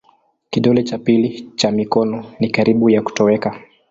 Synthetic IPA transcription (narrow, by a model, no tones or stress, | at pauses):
kiɗɔlɛt͡ʃapilit͡ʃamikɔnɔnikaɾiɓujaku̥tɔwɛka